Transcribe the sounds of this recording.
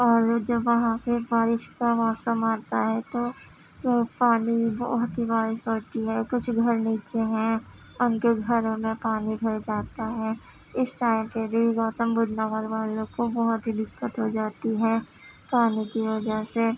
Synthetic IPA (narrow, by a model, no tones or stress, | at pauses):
ɔːɾd͡ʒɐbʋɐɦãpebaːɾɪʃkaʋaːsəmaːɾt̪aɦɛt̪oː | paːnibɔ̰ɦʊt̪ɦibaːɾɪʃoːɾt̪iɦɛkʊt͡ʃʰɡʱɐɾniːt͡ʃeɦɛ̃ | ʊnkeɡʱɐɾõmẽpaːnibʱɐɾd͡ʒaːt̪aɦɛː | ɪsʈaːɪmkebʱiɡɔːt̪əmbʊd͡ʒnaʋalʋaːlõkobɔɦʊt̪ɦid̪ɪkːət̪ɦod͡ʒaːt̪iɦɛː | paːnikiʋɐd͡ʒəse